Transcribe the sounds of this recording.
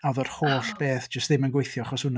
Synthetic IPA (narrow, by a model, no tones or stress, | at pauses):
awðɔr̥hoːɬb̥eːθd͡ʒəstðɪmənɡwejθjɔaχɔshʊn